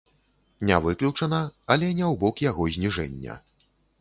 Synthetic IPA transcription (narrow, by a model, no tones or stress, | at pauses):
nʲɛvɨklʲut͡ʂɐnɐɐlʲɛnʲɛwbɔkjaɣɔzʲnʲiʐɛ̰nʲːɐ̰